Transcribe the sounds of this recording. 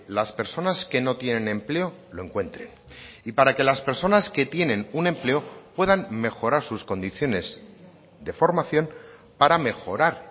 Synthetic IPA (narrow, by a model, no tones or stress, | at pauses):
laspe̞ɾso̞naske̞no̞t̪je̞nẽ̞nẽ̞mple̞o̞lo̞eŋkwe̞nt̪ɾe̞̰n | ipaɾake̞laspe̞ɾso̞naske̞t̪je̞nẽ̞nunẽ̞mple̞opwe̞ðanme̞xo̞ɾaɾsusko̞nd̪iθjo̞ne̞z | ðe̞fo̞ɾmaθjo̞n | paɾame̞xo̞ɾaɾ